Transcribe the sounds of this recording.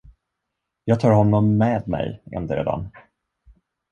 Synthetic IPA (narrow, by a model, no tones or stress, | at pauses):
jɑːɡ̚t̪ʰɑːɾhɔnːɔmːeːd̪mɛ̰jɛ̰nd̪əɾɛ̰d̪a̰n